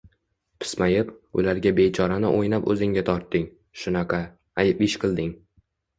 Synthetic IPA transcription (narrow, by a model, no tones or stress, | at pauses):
pʰɪ̥smajɪpʊ̰laɾɡʲabe̞t͡ʃʰɒɾanɪ̰ʔojnapɵzɪŋɡʲat̪ʰɒɾt̪ːɪŋ | ʃʊnɑqʰɑ | ajɪpɪʃqʰɨlˠd̪ɪŋ